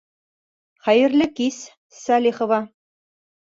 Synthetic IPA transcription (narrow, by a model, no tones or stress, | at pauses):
χæjɘ̆rlɘ̆kis | sɑlʲiχŏvɑ